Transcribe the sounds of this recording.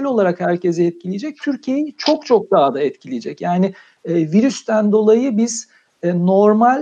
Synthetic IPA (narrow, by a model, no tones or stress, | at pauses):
lʲo̞lˠaɾakhæɾcʰezɛɛt̪̚cʰilʲijed͡ʒɛc̚t̪ʰyɾcʰije̞jit͡ʃʰo̞kt͡ʃʰo̞k̚d̪aɦad̪aɛt̪cʰilʲijed͡ʒɛcjaːnɪ | ɛviɾyst̪ʰænd̪o̞lˠajɯbiz̥ | ɛno̞ɾmalʲ